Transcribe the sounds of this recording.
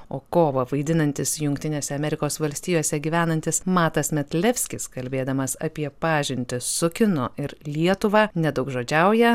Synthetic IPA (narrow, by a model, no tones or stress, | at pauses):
oːkoːʋɐʋɐɪd̪ʲɪnɐnʲt̪ʲɪsjʊŋkt̪ʲɪnʲeːsʲɛɐmʲɛɾʲɪkoːsʋɐlʲsʲt̪ʲiːjoːsʲɛɡʲiːʋʲæːnɐnʲt̪ʲɪsmɑːt̪ɐsmʲɛt̪ʲlʲɛfʲsʲkʲɪskɐlʲbʲeːd̪ɐmɐsɐpʲiɛpɑːʒʲɪnʲt̪ʲɪsʊkʲɪnoːʔɪɾlʲiɛt̪ʊʋɑːnʲɛd̪ɐʊkʒoːd͡ʒʲɛʊjɛ